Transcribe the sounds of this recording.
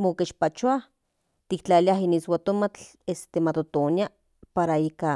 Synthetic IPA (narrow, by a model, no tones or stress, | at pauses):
mokeʃpat͡ʃuah | t̪ikt͡ɬaliaɦiniswat̪omat͡ɬ | est̪emat̪ot̪onja | paɾaika